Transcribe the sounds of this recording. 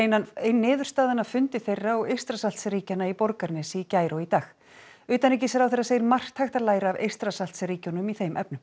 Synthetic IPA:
ejnːanejnːɪːðʏr̥st̪aːðanafʏnt̪ɪθejrːaɔɣejr̥st̪ɾasalt̪sɾiːcanːaipɔɾkaɾnɪsicaːjɾoit̪aːx | ʏːt̪anɛc̬ɪsɛɾawθejraseːjɪɾmar̥t̪hajxt̪alaːjɾaavḛjr̥t̪ɾasal̥t̪sriːconʏmiθejmʔɛ̰pnʏm

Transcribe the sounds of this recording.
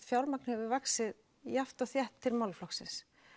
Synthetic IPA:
fjawlmak̚nʏhɛvʏvaksɪð | jaft̪ɔɣθjɛht̪ʰːɪlmawlflɔksɪ̰ns

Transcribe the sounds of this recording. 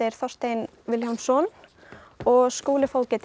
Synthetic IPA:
ɪɾ̥θɔst̪ejn | vɪljhansɔn | ɔɣskuːlɪfowlcɪt̪

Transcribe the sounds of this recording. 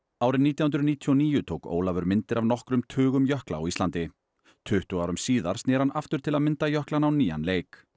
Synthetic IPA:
aːwɾɪnniːt̪jawʏnt̪ɾʏniːt̪ʰiɔniːjʏt̪ʰoːwko̰ːwlavʏɾmɪnt̪ɪɾavnɔhkɾʏmt̪ʰʏːɣʏmjœhkla̰a̰wist̪lant̪ɪ | t̪ʰʏht̪ʏɣaːwɾʏmsiːðaɾ̥st̪ɛːɾhanʔaft̪ʏɾ̥t̪ʰɪlaðmɪnt̪ajœhklanawniːja̰nleːjk

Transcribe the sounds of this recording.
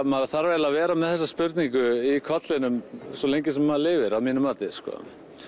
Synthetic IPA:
maðaθaɾvɛlavɛːɾamɛðθɛsːaspʏɾt̪niŋkʏikʰɔt̪lɪnʏmsɔlejɲcɪsɛmːaðlɪːvɪɾaðmiːnʏmːaːt̪ɪskɔ̰ː

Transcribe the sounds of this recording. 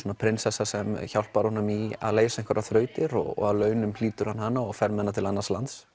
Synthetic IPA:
sɔnapʰɾɪnsɛsasɛmçawl̥paɾhunʏmia̰ðleːjsaɛ̃ŋkvaɾʔaθɾœːɥt̪ɪɾɔ̰ɣɔ̰ɣaðlœːɥnʏmliːt̪ʏɾhanhanːaɔɣfɛɾmɛðnːat̪ʰɪlanːḁslant̪s

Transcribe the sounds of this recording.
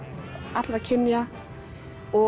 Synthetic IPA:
at̪lakʰɪnja | ɔ

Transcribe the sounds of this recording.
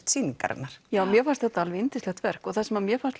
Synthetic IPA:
t̪siːniŋka̰ɾɛ̰naɾ̥jaːwmjɛfanst̪θɛt̪aalvɪɪnt̪ɪslɛxt̪vɛr̥kɔɣθasɛmamjɛfanst̪

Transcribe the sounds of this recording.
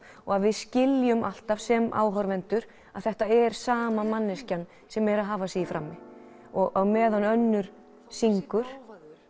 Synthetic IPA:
ɔɣaðvɪðscɪljʏmʔal̥t̪av̥sɛma̰ːwɦɔɾvɛnt̪ʏɾ | aðθɛht̪aɛɾ̥saːmamanːɪscan | sɛmɛɾaðɦaːvasiɪfɾa̰mːɪ | ɔɣʔawmɛːðanœnːʏɾ̥ | siŋkʏɾ̥

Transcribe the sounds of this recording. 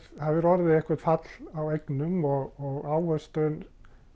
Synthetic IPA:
haðvɪɾɔːɾaðɪɛhkvɛt̪fat̪lawɛknʏmɔɔawœst̪œn

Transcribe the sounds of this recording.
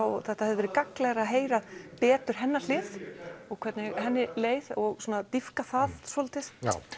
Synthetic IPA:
awθɛht̪ahɛðɪvɛɾɪkaklɛɣɾaɦeːjɾaðpɛːt̪ʏɾ̥ɦɛnːal̥ɪːðɔɣkʰvɛɾt̪nɪɣhɛnːɪleːjðɔɣsuːnat̪ifkaθaðsɔlt̪ɪsja̰ːw

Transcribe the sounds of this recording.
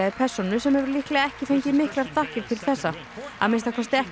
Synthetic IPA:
aðɪpʰɛr̥sɔnʏsɛmhɛvʏɾlihklɛːɣaɛhcɪθejɲcɪmɪhklaɾ̥t̪ʰahcɪɾt̪ʰɪlθɛsːa | a̰ðmɪnst̪akʰɔst̪ɪɛh

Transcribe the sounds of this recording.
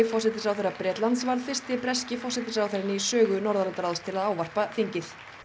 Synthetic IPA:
ɪfɔrsɛt̪ɪsawθɛɾːapɾɛːt̪lant̪svaɾðfɪr̥st̪ɪpɾɛscɪfɔr̥sɛt̪ɪsawθɛɾɪnisœːɣʏnɔɾðaɾant̪aɾaðst̪ʰɪlaðaːwvar̥paθiɲcɪθ

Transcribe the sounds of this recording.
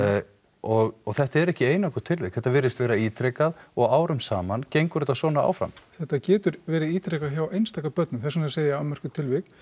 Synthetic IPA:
ɔɣɔɣθɛht̪aɛɾɛhcɪeːjnakʏɾt̪ʰɪlvɪkθɛht̪ːavɪɾɪst̪vɛːɾaiːt̪ɾejkaðɔɣaːwɾʏmsaːmancejŋkʏɾɛt̪asɔːnaa̰ːwfɾa̰mθɛht̪acɛːt̪ʏɾvɛːɾɪðiːt̪ɾɛkaðçawejnst̪aːkapœt̪̚nʏmθɛs̬ʏnaseːjaamɛr̥kʏt̪ʰɪlvɪkn

